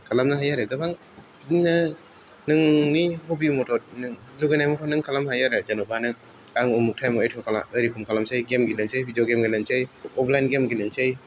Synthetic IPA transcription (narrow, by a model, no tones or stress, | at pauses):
kʰalamnaɦajaɾɯɡɯbʰaŋ | binɐ | nɯŋnihobimɔtʰɔɾnɯŋluɡenajmɔtʰɔnɯŋkʰalamhajaɾɯzanubanɯŋ | aŋumuk̚tʰajmɔetʰɔkʰala̰ɯɾikʰumkʰalamsajɡemɡilɯnsʰejbʱidijoɡemɡilansejɔpʰlajnɡemɡilɯnsej